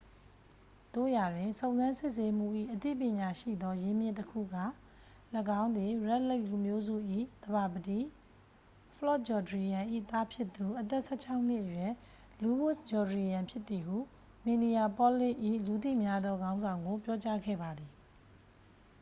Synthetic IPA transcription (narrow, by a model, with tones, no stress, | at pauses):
t̪o̰˦˨ja˨dwɪ̃˨nsʰõ˨ʊ̃nzã˦nsɪ˦ʔse˦m̥ṵ˦˨ʔḭ˦˨ʔət̪ḭ˦˨pjɪ̃˨ɲa˨ʃḭ˦˨d̪ɔ˦je˦mjɪ̰̃˦˨ntəkʰṵ˦˨ɡa̰˦˨ | lə˦kã˦ʊ̃nd̪ði˨ɹɛ˦ʔle˦ɪʔlu˨mjo˦zṵ˦˨ʔḭ˦˨d̪̥əba˨bəti˦˨ | pʰəlɔ˦˨t̚d͡ʑɔ˨dəɹi˨jã˨ʔḭ˦˨t̪a˦pʰjɪ˦t̪ːu˨ʔət̪ɛ˦ʔsɛ˦˨t͡ɕʰa˦ʊ̃n̥ɪ˦˨ʔəjwɛ˦˨ | lu˨wʊ˦sd͡ʑɔ˨dɹi˨jã˨mpʰjɪ˦t̪ːi˨ɦu˦˨ | mĩ˨ni˨ja˨pɔ˦lɪ̰̃˦˨ʔḭ˦˨lu˨t̪ḭ˦˨mja˦d̪ɔ˦ɡã˦ʊ̃nzã˨ʊ̃ŋɡo˨pjɔ˦t͡ɕa˦ɡɛ̰˦˨ba˨d̪ði˨